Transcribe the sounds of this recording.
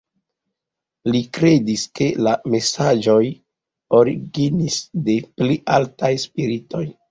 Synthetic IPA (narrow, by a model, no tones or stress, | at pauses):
likɾe̞diske̞lame̞sad͡ʒo̞j | o̞ɾiɡinisde̞pliʔaltajspiɾito̞j